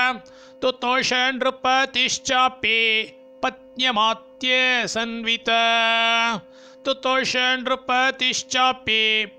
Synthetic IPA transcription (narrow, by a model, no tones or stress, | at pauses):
t̪ut̪oːʃɐɳɾupɐt̪iʃt͡ʃaːpi | pɐt̪̚njɐmaːt̪jeːsɐnʋit̪ɐ | t̪ut̪oːʃɐnɾupɐt̪iʃt͡ʃaːpi